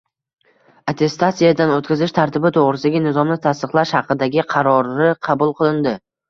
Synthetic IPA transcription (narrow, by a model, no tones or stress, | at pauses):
at̪ʰe̞st̪asijad̪anot̪kʲazɪʃt̪ʰaɾt̪ʰɪbɪt̪ʰoʁɾɪsd̪aɡʲanɪzɒmnɪt̪ʰast̪ɨqlˠaʃhɑqɨd̪aɡʲɪqʰɑɾɒɾɪqʰɑbʊlˠqʰɨlˠɪnd̪ɪ